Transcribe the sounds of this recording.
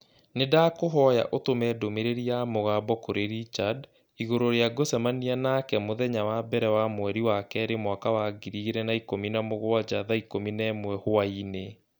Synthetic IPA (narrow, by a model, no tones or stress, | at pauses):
nedaːkoɦɔja̰ʔotomɛdomeɾeɾiamoɣaːbɔkoɾeɾit͡ʃad | iɣoɾoɾeaɡosɛmanianakɛmoðɛɲawabɛɾɛwamwɛɾiwakɛɾemwakawaɡiɾiɣeɾɛnaikominamoɣoad͡ʑaðaikominɛmwɛhoaine